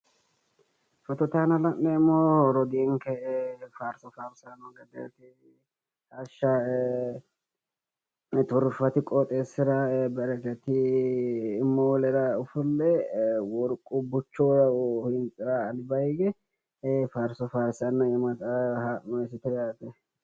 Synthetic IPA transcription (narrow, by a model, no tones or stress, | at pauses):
fɐt̪ɔt̪aːnɐlɐmːɛmːoɾɔd̪ɪɛŋkɛfaːɾsɔfaːɾsanɔɡɐd̪ɛ̰t̪ɪ | hɐʃa | t̪ʊɾfɐt̪ɪkʼɔt̪ʼeːsːɪɾɐbɛɾɐɡɛt̪ɪː | mːɔɔlɛɾɐʊfʊlːɛwɔɾkʼːʊbʊt͡ʃːohɪnt͡sʼɪɾaːlɪbɐɪɡɛ | faːɾsɔfaːɾsanːɐɪmɐt̪ɐhaːʔɔɛsɪt̪ɛjaːt̪ɛ